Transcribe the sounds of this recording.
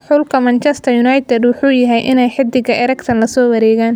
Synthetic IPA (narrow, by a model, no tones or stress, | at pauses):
ħʊlkʰɐmɐnt͡ʃɛst̪ʰɐjʊnɑːjt̪ʰɛd̪wʊħuːjɐɦɛjʔɪ̰nɛjħɪd̪ɪɣɐʔɛɾɛkt̪ʰɐnlɐsɔːwɐɾɛːɣaːn